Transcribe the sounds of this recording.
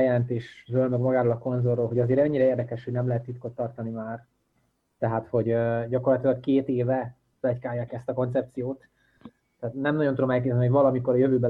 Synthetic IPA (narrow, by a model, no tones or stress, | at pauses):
jɛlɛnt̪eːʃrøːlmɛɡmɒɡaːɾolɒko̞nzorːoːlɦo̞ɟɒzeːɾɛɲːiɾɛeːrd̪ɛkɛʃho̞ɟnɛmlɛɦɛt̪ːit̪̚ko̞t̪ːɒrt̪ɒnimaːr | t̪ɛɦat̪ho̞ɟɟɒko̞rlɒt̪ilɒkkːeːt̪eːvɛ | vɛckaːjːaːkɛst̪ɒko̞nt̪sɛp̚t̪sijoːt̪ː | ɛːt̪nɛmnɒɟont̪ud̪omɛlk̬eːt̪ɛniɦoɟvɒlɒmiko̞ɾɒjøvøːbɛ